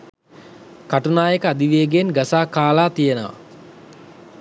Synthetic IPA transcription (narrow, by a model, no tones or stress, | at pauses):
kaʈunaːjəkəad̪iʋeːɡenɡasaːkaːlaːt̪ijənəʋa̰